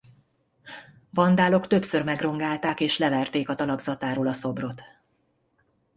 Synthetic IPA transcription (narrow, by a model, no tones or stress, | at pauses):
vɒnd̪aːlo̞kt̪ø̞psørmɛɡro̞ŋɡaːlt̪aːkeːʃlɛvɛrt̪eːkɒt̪ɒlɒɡzɒt̪aːɾoːlɒso̞bro̞t̪